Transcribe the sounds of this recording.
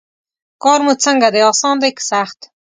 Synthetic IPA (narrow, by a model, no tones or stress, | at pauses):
kɔːɾmut͡sʰɐŋɡad̪eɔːsɑːnd̪akʰsaːχt̪